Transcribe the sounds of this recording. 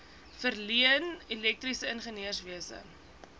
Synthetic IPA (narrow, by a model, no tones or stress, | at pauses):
fərliənilɛk̚trisəənχəniərsviəsə̰